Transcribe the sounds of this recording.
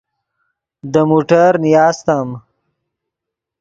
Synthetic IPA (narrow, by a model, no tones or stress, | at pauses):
d̪əmuːʈaɾnijɑːst̪am